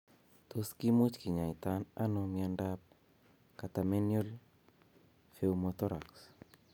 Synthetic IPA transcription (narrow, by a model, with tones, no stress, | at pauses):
t̪oski˦mu˦t͡ʃki˨ɲa˨it̪ana˦nomja˦ndap̚ | ka˨t̪a˨me˦njo˦l | fe˦umot̪ɔɾa̰ks